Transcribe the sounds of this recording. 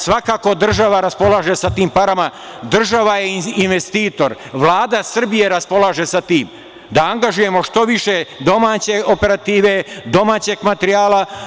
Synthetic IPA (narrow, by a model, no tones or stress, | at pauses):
sʋakaːko̞d̪r̩ʒaʋaɾaspo̞laːʒe̞sat̪iːmpaɾamad̪r̩ʒaʋajeinʋe̞st̪iːt̪o̞ɾʋlˠaːd̪asr̩bije̞ɾaspo̞laːʒe̞sat̪iːm | d̪aaŋɡaʒuje̞mo̞ʂt̪o̞ʋiʃe̞d̪o̞maːt͡ɕe̞ope̞ɾat̪iːʋe̞d̪o̞maːt͡ɕe̞ɡmat̪eɾijaːla